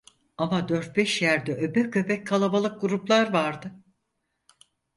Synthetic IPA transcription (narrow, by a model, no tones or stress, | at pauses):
amad̪øɾt̪̚bɛʃjæɾd̪ɛʔøbɛkø̞pʰɛc̚kʰːalˠabalˠɯk̚ɡuɾuplˠaɾvaɾd̪ɯ